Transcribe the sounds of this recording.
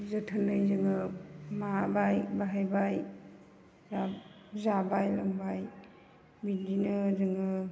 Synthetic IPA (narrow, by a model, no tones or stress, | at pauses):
zətʰənːɯjzɯŋɯmabajbaɦajbaj | za | zabajlaŋbaj | bidinɯzɯŋɯ